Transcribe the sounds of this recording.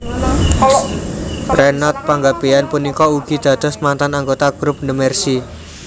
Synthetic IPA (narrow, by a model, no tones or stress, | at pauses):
rɛnɔt̪̚paŋɡab̥ejanpunikɔuɡ̥i̤d̪̥ä̤d̪̥ɔ̤smant̪anaŋɡot̪aɡ̥ɾup̚nəmɛrsi